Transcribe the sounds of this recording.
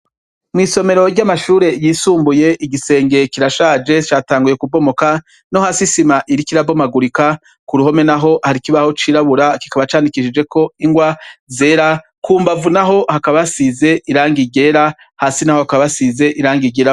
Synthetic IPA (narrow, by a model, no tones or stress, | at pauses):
mŋiːso̞me̞ɾo̞ɾɟamaʃuːɾe̞jiːsuːmbuje̞ʔiɟise̞ːŋɡe̞kiɾaʃaːd͡ʒe̞t͡ʃaːtaːŋɡuje̞kubo̞mo̞ka | no̞haːsisimaʔiɾikiɾabo̞maɡuɾika | kuɾuɦo̞me̞naɦo̞haɾikiβaho̞t͡ʃiːɾaβuɾaki̥kaβat͡ʃaːndikiʃid͡ʒe̞ko̞iŋɡwaze̞ːɾa | kuːmbavunaɦo̞hakaβasize̞ʔiɾaːŋɡiɟe̞ːɾa | haːsinaho̞hakaβasize̞ʔiɾaːŋɡiɟeɾa